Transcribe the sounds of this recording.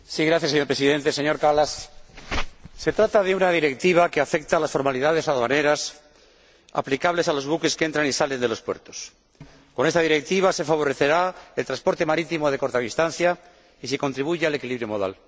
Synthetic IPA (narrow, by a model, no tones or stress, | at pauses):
siɣɾaθjaseɲo̞ɾpɾesiðẽ̞nt̪e̞se̞ɲo̞ɾkalas | e̞t̪ɾat̪aðe̞unaðiɾe̞k̚t̪iβ̞akeafe̞k̚t̪alasfo̞ɾmaliðaðe̞saðane̞ɾas | a̰plikaβle̞salo̞zβuke̞skee̞nt̪ɾanisale̞nd̪e̞lo̞spweɾt̪o̞s | ko̞nest̪að̞iɾe̞k̚t̪iβ̞ase̞faβ̞o̞ɾe̞θe̞ɾae̞lt̪ɾaspo̞ɾt̪e̞maɾit̪imo̞ðe̞ko̞ɾt̪aβist̪an̟θja | isiko̞nt̪ɾiβ̞uʝeale̞kiliβɾjo̞mo̞ða̰l